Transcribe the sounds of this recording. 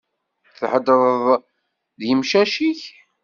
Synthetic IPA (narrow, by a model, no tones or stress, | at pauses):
θħəd̪əðˤðˤ | ðjəmʃæʃiç